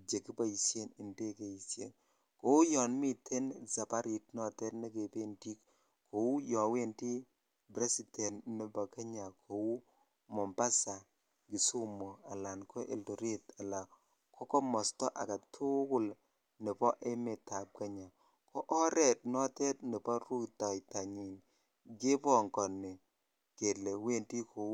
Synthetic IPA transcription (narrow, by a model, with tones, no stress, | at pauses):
d͡ʒe˨ki˦ba˦i˨sje˦nɪ˨nde˦ke˨i˨sjḛ˨n | ko˨wu˦jɔ˨nmi˦tʰe˦nza˨pa˦ɾi˨tnɔ˦tɛ˦tne˦ke˨pe˦nti˦k | kʰo˨u˦jɔ˨we˦nti˦ | bɾe˦si˨tɛ˨nnɛ˦ba˨ka˦ɲa˨kʰo˨wu˦ | mɔ˨mba˦sa˨ | ɡi˨su˦mo˨a˨la˨nkʰɔ˦ʔḛ˨lto˨ɾe˦ta˨la˨ | kʰɔ˦kɔ˦mɔ˨stɔ˦ʔa˨ka˨tʰʊ˦kʊ˦˨l | nɪ˨pɔ˦ʔe˦me˨ta˨p̚ka˦ɲa˨ | kɔ˦ʔɔ˦ɾɛ˨t̚nɔ˦tɛ˦t̚nɪ˨pɔ˦ɾu˦ktɔ˨jta˨ɲi˨n | ɡe˦pɔ˦ŋkɔ˨nɪ˨ | ke˨lɛ˨we˦nti˦kʰo˨wu˦